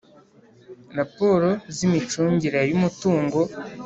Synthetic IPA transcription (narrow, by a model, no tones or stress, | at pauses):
ɾapo̞ːɾo̞zimit͡ʃuːɲɟiɾajumutuːŋɡo̞